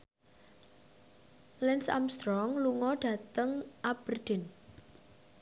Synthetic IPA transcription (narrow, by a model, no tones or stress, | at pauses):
lɛnsa̰mst̪ɾɔŋluŋɔɖ̥ä̤t̪əŋʔab̥ərd̥ɪ̤n